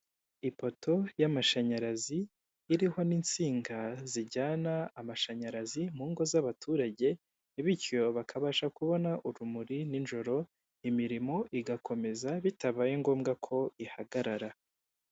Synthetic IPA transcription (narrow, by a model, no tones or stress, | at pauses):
ipo̞to̞jamaʃaɲaɾaziː | ɾiho̞nint͡siːŋɡaziɟaːnaːmaʃaɲaɾazimuːŋɡo̞zaβatʰuːɾaɟe̞ | βicjo̞βakʰaβaʃakuβo̞naʔuɾumuɾininʒo̞ɾo̞ | imiɾimo̞ʔiɡakʰo̞me̞zaβitaβajeŋɡo̞ːmɡakʰo̞ihaɡaɾaɾa